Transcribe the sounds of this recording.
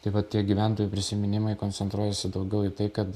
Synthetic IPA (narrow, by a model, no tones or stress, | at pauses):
t̪ɐɪʋɐttʲːiɛɡʲiːʋʲæˑnt̪oːjuːpʲɾʲɪsʲɪmʲɪnʲɪmɐɪkoːnʲsʲɛnt̪ɾuɔjɛsʲɪd̪ɐʊɡʲɛʊɪt̪ɐɪkɐt̪